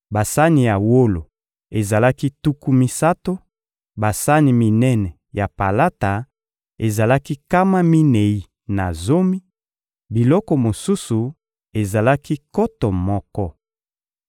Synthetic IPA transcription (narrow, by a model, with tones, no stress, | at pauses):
ba˨sa˦ni˨ja˨wo˦lo˨ | e˨za˨la˦ki˦tu˦ku˦mi˦sa˦to˦ | ba˨sa˦ni˨mi˨nɛ˦nɛ˨ | ja˨pa˨la˦ta˨ | e˨za˨la˦ki˦ka˦ma˦mi˦nɛ˨i˦ | na˨zo˦mi˦ | bi˨lɔ˦kɔ˨mo˨su˦su˨ | e˨za˨la˦ki˦kɔ˦tɔ˨mɔ˦kɔ˦